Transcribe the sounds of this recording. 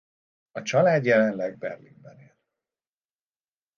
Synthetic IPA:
ɒt͡ʃɒlaːd̪jɛlɛnlɛɡ̚bɛ̰rlḭɡ̚bɛneːl

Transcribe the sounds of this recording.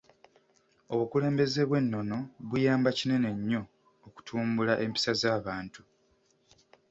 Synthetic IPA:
o̞βukule̞ːmbe̞zeβwe̞nːo̞no̞βujaːmbacine̞ne̞ɲːo̞ː | ku̥tʰuːmbulaʔe̞mpi̥sazaːβaːntu

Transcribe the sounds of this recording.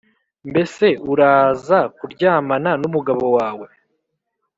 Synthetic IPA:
mbe̞se̞uɾaːzakuɾɟaːmananumuɡaβo̞waːwe̞

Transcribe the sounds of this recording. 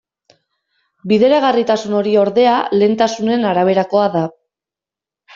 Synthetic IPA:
biðe̞ɾaɣ̞arit̪asuno̞ɾio̞ɾðe̞ale̞ːnt̪asune̞naɾaβ̞e̞ɾako̞aða

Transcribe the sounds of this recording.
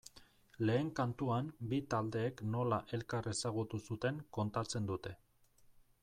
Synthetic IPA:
le̞ːŋkant̪uambit̪ald̪e̞ːkno̞laʔe̞lkare̞saɣ̞ut̪usut̪e̞ŋko̞nt̪at͡se̞nd̪ut̪e̞

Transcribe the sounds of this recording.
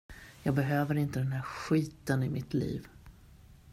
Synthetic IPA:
jɑːɡ̚bɛɦøːvəɾɪnt̪əd̪ɛnɦæːɾɧiːt̪ənɪmɪt̪lḭːv

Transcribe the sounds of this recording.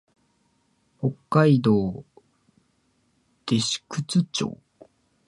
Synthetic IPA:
ho̞kːaid̪o̞ː | d̪̥e̞ɕi̥kɯ̟t͡sɨt͡ɕo̰ː

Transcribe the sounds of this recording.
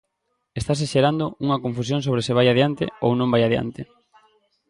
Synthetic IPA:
est̪as̬eʃeɾand̪ouŋɐkõɱfusjoŋsoβ̞ɾesɪβ̞ajaðjant̪ḛownõmbajaðja̰nt̪e

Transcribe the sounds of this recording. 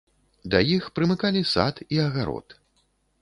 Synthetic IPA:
d̪ɐjixpɾɨmɨkalʲisa̰t̪iɐɣaɾɔ̰t̪

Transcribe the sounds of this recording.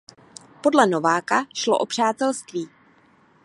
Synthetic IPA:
po̞dlɛnovaːkaʃlo̰ʔo̞pr̝̥aːt̪ɛlst̪viː

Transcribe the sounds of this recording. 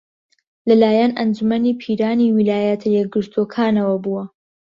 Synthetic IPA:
lɐlaːjɛnʔɐnd͡ʒumɐniːpʰiːɾaːniwilaːjɐt̪ʰɐjɛk̚ɡɨɾt̪ʰuokʰaːnɐwɐbuːwɐ

